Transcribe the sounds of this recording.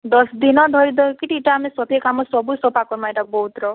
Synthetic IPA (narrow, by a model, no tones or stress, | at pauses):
d̪ɔsd̪inɔd̪ʱɔɾid̪ɔkiʈiʈaːmesɔt̪ʰekamɔsɔbusɔpakɔɾmaeʈabɔɦut̪ɾɔ